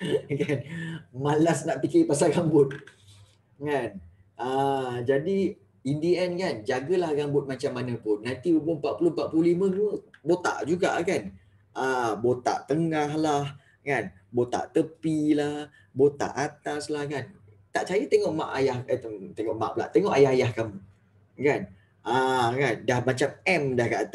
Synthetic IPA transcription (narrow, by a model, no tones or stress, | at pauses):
kanmalasnaʔpikɪpasalɡambʊt̪̚ | ŋan | əd͡ʒadi | indiɛnkand͡ʒaɡəlahɡaŋbʊt̪̚maɲt͡ʃamːanə̃pʊnːant̪iəpompaʔ̪̚pulompat̪ʔ̚pulohlimə̃əbot̪a̰ʔd͡ʒuɡaʔkan | ʔəbot̪a̰ʔt̪əŋaɦlah | kan | bot̪a̰ʔt̪əpilah | bot̪a̰ʔat̪aslahkan | t̪aʔt͡ʃajət̪eŋɔʔmaʔajahət̪əmt̪eŋɔʔma̰ʔbla̰ʔt̪eŋɔʔajaɦajahkamu | kan | əkandahmat͡ʃamɛmdahkaʔt̪